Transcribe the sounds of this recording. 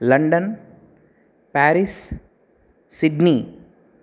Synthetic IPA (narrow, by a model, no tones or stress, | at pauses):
lɐɳɖɐn | pæːɾis | sɪɖni